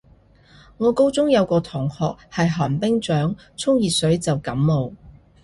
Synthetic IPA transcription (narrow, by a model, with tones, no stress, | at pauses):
ŋɔː˨˧ko˥wt͡sʊ˥ŋjɐ˨˧wkɔː˧t̪ʰʊː˨˩ŋhɔ̰ː˨k̚hɐ˨jɦaː˨˩npɪ˥ŋt͡ʃœː˨˥ŋ | t͡sʰʊ˥ŋjiː˨˩sɵ˨˥ɥt͡sɐ˨wkɐ˨˥mmo˨˧w